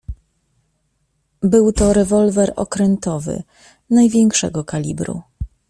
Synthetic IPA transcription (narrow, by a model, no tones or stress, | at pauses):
bɘwt̪ɔɾɛvɔlvɛɾɔ̰kɾɛnt̪ɔvɘ̰ | najvʲjɛŋkʂɛɡɔkalʲḭbɾṵ